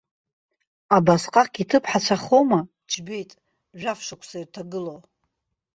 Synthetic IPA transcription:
abasqʼaqʼɡʲitʰɨpʰħat͡ɕʷʰaχowma | d͡ʒʰbe̞jtʼ | ʒᶣafʃakʷʰsairtʰaɡɨlow

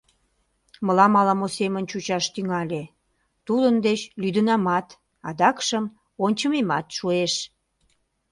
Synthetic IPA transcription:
məlɑmɑlɑmosemənt͡ɕut͡ɕɑʃt̪yŋɑlʲe | t̪ud̪ənd̪et͡ɕlyd̪ənɑmɑt̪ | ɑd̪ɑkʃəm | onʲt͡ɕəmemɑt̪ʃueʃ

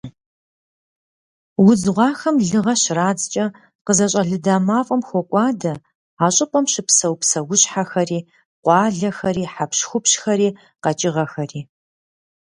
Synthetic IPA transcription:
wʊzʁʷɑːxɐmɮɨʁɐɕraːd͡zt͡ʃʼɐ | qəzɐɕʼɐɮɨdaːmaːfʼɐmxʷɔkʷʼɑːdɐ | aːɕʼɪpʼɐmɕɪpsɐwpsɐwʊɕħaxɐriː | qʷɑːɮɐxɐɾiːħapɕxʷʊpɕxɐɾiː | qɐt͡ʃʼɪʁɐxɐriː

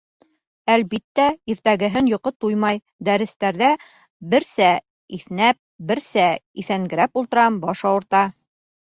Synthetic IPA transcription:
ælbit̪ːæiɾt̪æɡɘ̆ɦɘnjŏqɤt̪ujmɑj | d̪æɾɘ̆st̪æɾðæ | bɘ̆ɾsæ | iθnæp̚bɘ̆ɾsæiθæŋɡɘ̆ɾæpulˠt̪ɤ̆ɾɑmbɒʃɑwɤ̆ɾt̪ɑ

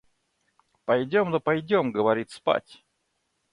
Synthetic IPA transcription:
pɐjdʲomnopɐjdʲomɡəvɐɾʲit̪spa̰tʲ

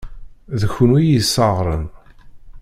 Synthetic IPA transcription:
ðəçʊnwijisːɑʁɾˤən

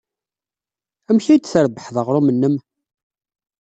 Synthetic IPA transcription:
æmçijd̪θəɾbəħðəʁɾˤumənːəm

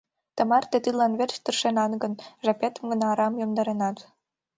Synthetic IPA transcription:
t̪ə̆mɑrt̪et̪ilɑnβert͡ɕt̪ərʃenɑnɡə̆nʒɑpet̪ə̆mɡə̆nɑːɾɑmjomd̪ɑɾenɑt̪

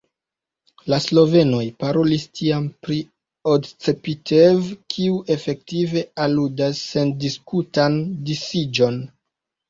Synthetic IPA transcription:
laslo̞ve̞no̞jpaɾo̞listʰiampɾi | odt͡sepitʰevkʰiuʔe̞fe̞k̚tive̞aludasːe̞ndiskutandisid͡ʒo̞n

